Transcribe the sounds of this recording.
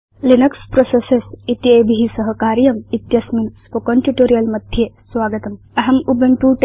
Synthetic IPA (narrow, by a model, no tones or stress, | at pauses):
linɐkspɾosesesit̪jebʱiɦisɐɦəkaːɾijɐmit̪jɐsminspokonʈjuʈoːɾijɐlmɐd̪ʱjesʋaːɡət̪ɐm | ɐɦɐmubʱɐɳʈuʈ